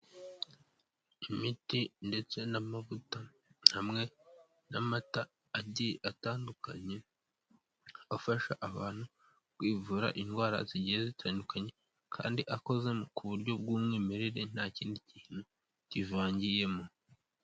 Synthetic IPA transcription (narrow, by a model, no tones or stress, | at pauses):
imitinde̞t͡se̞namavuta | n̥hamŋe̞ | namataː | ɟiataːndukaɲe̞ | afaʃaʔaβaːn̥hu | kwiːvuːɾa̰ʔinɡwaːɾa̰ziɟijezitʰaːndukaɲe̞ | kʰa̰ːndiʔako̞ze̞mokʰuβuɾɟo̞b̚ɡuːmŋiːmeɾeɾe̞n̥aːciːndiciːn̥hu | civaːɲɟije̞mo